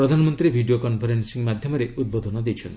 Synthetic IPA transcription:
ɾɔd̪ʱanɔmɔnt̪ɾibʱiɖijokɔnpʰɔɾensiŋmad̪ʱjɔmɔɾeud̪̚bod̪ʱɔnɔd̪ejt͡ʃʰɔnt̪

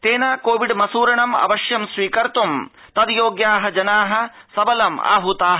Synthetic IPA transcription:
t̪eːnaːkoːʋiɖmɐsuːɾɐɳɐmɐ̰ʋɐʃjɐmsʋiːkɐɾt̪um | t̪ɐd̪joːɡjaːɦɐd͡ʒɐnaːɦɐ̆ | sɐbɐlɐma̰ːɦut̪aːɦɐ

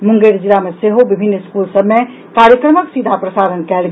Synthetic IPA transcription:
mʊŋɡeɾd͡ʒilameseɦobibʱinːskulsəbme | kaɾjəkɾəməksid̪ʱapɾəsaɾənkɛlɡ

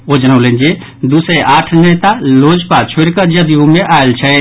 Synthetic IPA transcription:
od͡ʒənəwlend͡ʒe | d̪usɛʔaʈʰnet̪alod͡ʒpat͡ʃʰoɾkəd͡ʒəd̪ijumeʔaelt͡ʃʰɛ

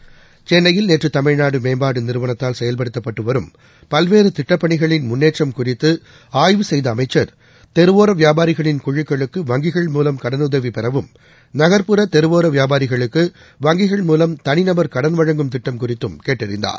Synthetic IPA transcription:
t͡ʃɛnːɐjɪlneːʈrɯt̪ɐmɐɻnaːɽɯmeːmbaːɽɯnɪɾɯʋɐnɐt̪ːaːlsɛjɐlpɐɽɯt̪ːɐpːɐʈːɯʋɐɾɯm | pɐlʋeːɾɯt̪ɪʈːɐpːɐɳɪɣɐɭɪnmʊnːeːʈrɐmkʊrɪt̪ːɯ | aːjʋɯsɛjðɐːmɐɪt͡ʃːɐɾ | t̪ɛɾɯʋoːɾɐʋjaːbaːɾɪɣɐɭɪnkʊɻɪkːɐɭɯkːɯʋɐŋɡɪɣɐɭmuːlɐmkɐɽɐnʊðɐʋipɛɾɐʋɯm | nɐɣɐɾpɯɾɐt̪ɛɾɯʋoːɾɐʋɪjaːbaːɾɪɣɐɭɯkːɯ | ʋɐŋɡɪɣɐɭmuːlɐmt̪ɐnɪnɐbɐɾkɐɽɐnʋɐɻɐŋɡɯmt̪ɪʈːɐmkʊrɪt̪ːɯmkeːʈːɪɾɪ̰nd̪a̰ːɾ

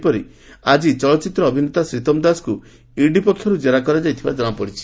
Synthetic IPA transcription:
pɔɾi | ad͡ʒit͡ʃɔɭɔt͡ʃit̪ɾɔːbʱinet̪asɾit̪ɔmd̪asku | iɖipɔkʰːjɔɾud͡ʒeɾakɔɾad͡ʒajt̪ʰibad͡ʒɔɽ̃ɔpɔɽit͡ʃʰi̥

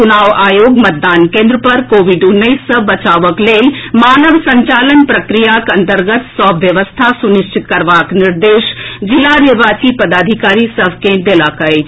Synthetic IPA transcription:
unaːʋaːjoːɡmɐt̪̚d̪aːnkẽːnd̪ɾəpɐɾkoːʋɪɖʊnːəisːəbɐt͡ʃaːʋəkleːmaːnəʋsɐ̃ɲt͡ʃaːlənpɾəkɾijakɐ̃nt̪əɾɡət̪sɔːbʋjɐʋəst̪ʰasʊnɪʃt͡ʃʰɪt̪kɐɾʋaːknɪɾd̪eːʃd͡ʒɪlaɾeʋaːsipɐd̪aːd̪ʱikaːɾisəʋkẽd̪elakəe

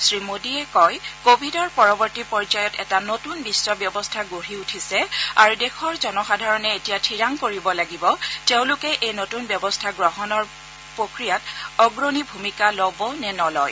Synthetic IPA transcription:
sɹimodiɛkɔjkobʱidɔɹpɔɹɔbɔɹtipɔɹzajɔtɛ̰tanotunbisːɔbjɔbɔstʰaɡoɹiutʰisɛa̰ɹudɛxʰɔɹzɔnɔxadʱaɹɔnɛetijatʰiɹaŋkoɹibɔlaɡibɔteʊ̃lʊkɛʔejnotunbjɔbɔstʰaɡɹɔɦɔnɔɹ | pɹokɹijatɔɡɹonibʱumikalɔbɔnɛnɔlɔj

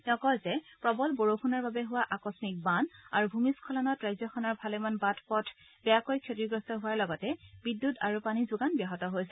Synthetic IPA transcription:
ɛkɔjzɛpɹɔbɔlboɹoxunaɹbabɛɦʊwaʔakɔsmik̚bana̰ɹubʱumiskʰɔlɔnɔtɹajzɔxʰɔnaɹbʱalɛmanbatʰpɔtʰ | bɛjakojkʰjotiɡɹɔstɔɦʊwaɹlɔɡɔtɛbidːutaɹupanizʊɡanbaɦɔtɔɦojsɛ

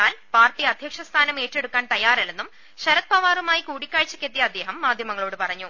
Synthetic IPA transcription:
aːlpaːrʈːiɐd̪ʱjɐkʂɐst̪ʰaːnɐme̞ːtːe̞ɽukːaːnt̪ɐjaːrilenːum | ɕɐɾɐt̪̚pɐʋaːrumaːjikuːɽikʲːaːɻit͡ɕːu̥kʲːet̪ːijɐd̪ːe̞ːɦɐmːaːd̪ʱjɐmɐŋːɐɭo̞ːɽɨpɐrɐɲːu

